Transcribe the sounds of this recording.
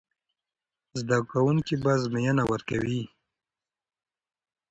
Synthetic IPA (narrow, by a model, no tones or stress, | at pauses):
zd̪akawuŋkibazmɪjanawəɾka̰wi